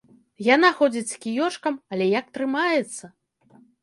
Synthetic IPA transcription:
janaxɔd͡zʲit͡sʲskʲijɔʂkɐmɐlʲɛjak̚t̪ɾɨmajɛt̪sːɐ

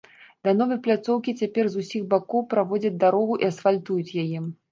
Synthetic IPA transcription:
d̪anɔvɐjplʲat̪sɔwkʲit͡sʲapʲɛrzusʲixbakɔwpɾavɔd͡zʲɐd͡zʲd̪aɾɔɣuʔiɐsfalʲt̪ujut͡sʲjajɛ

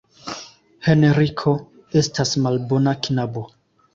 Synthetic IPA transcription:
he̞neɾikʰo̞ | e̞stasmalbo̞naknabo̞

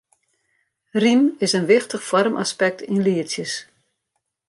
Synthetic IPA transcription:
rinɪsənʋɪxtəχfɔrmʔa̰spɛk̚tinliəsjəs

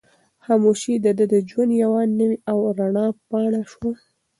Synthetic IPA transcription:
xɑmuʃid̪əd̪əd̪əd͡ʒwand̪jawɑnnːəwiʔawɾaɳɑpɑɽaʃwa

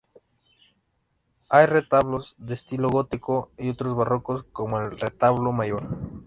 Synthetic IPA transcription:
ajre̞t̪aβlozðe̞ːst̪iloɣot̪ikoio̞t̪ɾozβarokosko̞moelret̪aβlomaʝo̞ɾ

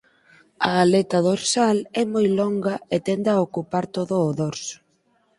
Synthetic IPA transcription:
ɐːlɛt̪ɐðoɾsalɛmojlɔŋɡɐet̪ɛnd̪aokupaɾt̪oðʊːðoɾs

